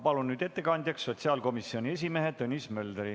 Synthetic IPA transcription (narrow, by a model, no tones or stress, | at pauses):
pɑlunːyːd̪̥e̞t̪ːe̞kɑnʲd̪̥ʲjɑksːo̞t̪ʲsiɑːlko̞misio̞nʲie̞s̬ʲime̞ɦet̪ɤnʲismø̞ld̪ɾi